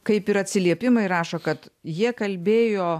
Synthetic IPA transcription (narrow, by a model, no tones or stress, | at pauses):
kɐɪpɪɾɐt̪ʲsʲɪlʲiɛpʲɪmɐɪɾɑːʃokɐt̪jiɛkɐlʲbʲeːjoː